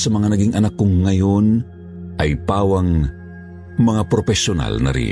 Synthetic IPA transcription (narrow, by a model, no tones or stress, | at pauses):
sɐmɐŋanɐɡiŋʔɐnakːoŋːɐjon | ʔɐjpaːwɐŋ | mɐŋapɾopɛsona̰lnɐ̰ɾḭ